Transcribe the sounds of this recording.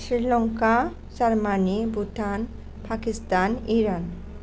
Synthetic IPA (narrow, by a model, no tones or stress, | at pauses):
ʃɾilɔŋka | saɾmanibuʈan | pakist̪aniɾan